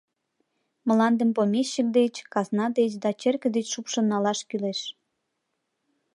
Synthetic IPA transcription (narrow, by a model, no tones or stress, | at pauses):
məlɑnd̪əmpomʲeɕːək̚d̪et͡ɕkɑznɑd̪et͡ɕd̪ɑt͡ɕerkə̆d̪et͡ɕʃupʃə̆nːɑlɑʃkyleʃ